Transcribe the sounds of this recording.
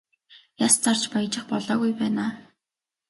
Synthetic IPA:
jast͡sar̥t͡ɕpaj̆t͡ɕɪ̆χpɔɮɔːɣujpæːnaː

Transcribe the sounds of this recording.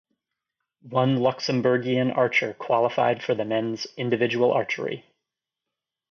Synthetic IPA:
wʌ̃nlʌksɨ̃mbə˞ɡiɨ̃nɑɹt͡ʃə˞kʰw̥ɑlˠəfa̰ɪd̥fə˞ðɨmɛ̃nzɪ̃ndɨvɪd͡ʒəwl̩ˠɑ̰ɹt͡ʃə̰˞ḭ

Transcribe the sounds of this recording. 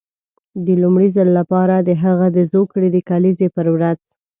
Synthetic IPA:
d̪əlumɽizəlːapɑɾad̪əɦəɣad̪əzokɽed̪əkalizepəɾwɾaz

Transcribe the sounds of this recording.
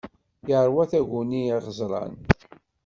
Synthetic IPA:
jəʕɾwæθæʝuniiʁəzˤɾˤɑ̰n

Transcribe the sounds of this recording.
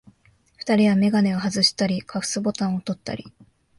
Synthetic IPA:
ɸɯ̥t̪aɾʲiβame̞ɡane̞oɦazɨɕi̥t̪aɾʲikʰaɸɯ̟̥sɨbo̞t̪ãɰ̃o̞t̪o̞t̪ːa̰ɾʲi

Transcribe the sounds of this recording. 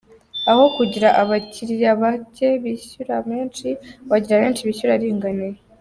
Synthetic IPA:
aho̞kuɟiɾaʔaβaciɾjaβace̞βiɕuɾaβeːnt͡ʃiβaɟiɾaβe̞ːnt͡ʃiβiçuɾaɾiːŋɡane

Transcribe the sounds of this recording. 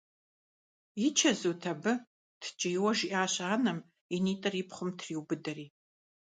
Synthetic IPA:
it͡ʃʰɐzutʰɐbɨ | tʰt͡ʃʼɪjwɐʒiʔaːɕaːnɐm | iniːtʼɐripʰχʷʊmtʰriːwbɨdɐriː

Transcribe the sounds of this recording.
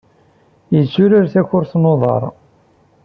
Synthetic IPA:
jət͡sːʊɾəɾθæçʊɾθnoðˤɑ̰ɾˤ

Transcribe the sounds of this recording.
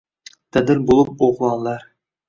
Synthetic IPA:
t̪æd̪ɘɾbolˠɤp̚oʁlˠɑlˠːɑɾ

